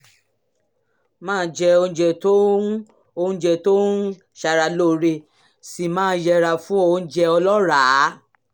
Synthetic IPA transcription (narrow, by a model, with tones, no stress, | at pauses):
mãː˦d͡ʒɛ˧o˧ũ˧˦d͡ʒɛ˧˨to˦ | o˧ũ˧˦d͡ʒɛ˧˨to˦ | ʃa˧ɾa˧˨lo˦˨ɾe˧˨ | si˨mãː˦jɛ˧ɾa˧fũ˦o˧˨˧d͡ʒɛ˧ɔ˧lɔ˦ɾaː˨˦